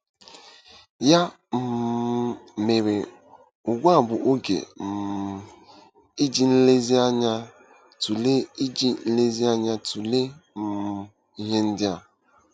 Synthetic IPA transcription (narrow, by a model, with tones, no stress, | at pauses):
ja˦ | m̩˨ | me˨ɾe˨ | ʊ˨ɡʷa˦˨bʊ˨ʔo˦ɡḛ˨m˨ | i˦d͡ʒi˦˨n̩˦le˦zi˦a˦ɲa˦ | tu˨le˦i˦d͡ʒi˦n̩˦le˦zi˦a˦ɲa˦tʰu˨le˦m̩˦˨ | i˦ɦe˦n̩˦dɪ˦a˨